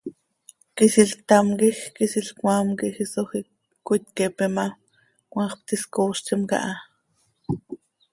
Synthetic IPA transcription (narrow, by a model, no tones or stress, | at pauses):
kisiɬt̪amkixkisiɬkwaːmkixisoxi | ut̪kɛpɛma | kwɑːχp̚t̪iskoːʃt͡ʃimka̰ʔa